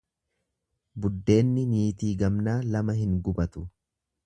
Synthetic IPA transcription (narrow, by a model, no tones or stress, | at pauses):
bʊd̪ːe̞ːnːɪniːt̪iːɡɐmnaːlɐmɐɦɪŋɡʊbɐt̪ʊ̥